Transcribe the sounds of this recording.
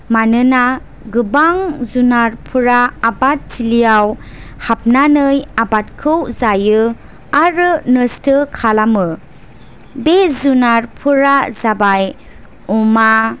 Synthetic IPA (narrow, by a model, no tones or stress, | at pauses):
manɯna | ɡɯbaŋzunaɾpʰuɾaːbat̚t͡ʃilijaw | hap̚nanɯjabat̚kʰɯwzajɯ | aɾɯnɯstɯkʰalamɯ | bezunaɾpʰuɾazabaj | uma